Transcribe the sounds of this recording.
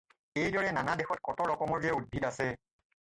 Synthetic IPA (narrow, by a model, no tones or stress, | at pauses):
ejdɔɹɛnanadɛxɔtkɔtɔɹɔkɔmɔɹɡɛud̚bʱitasɛ